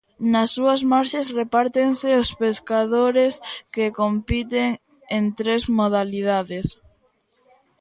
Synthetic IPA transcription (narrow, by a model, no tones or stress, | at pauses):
nɐsːuɐsmaɾʃesrepaɾt̪eŋsɪospeskaðoɾeskekompit̪eŋ | ent̪ɾezmoðaliðaðes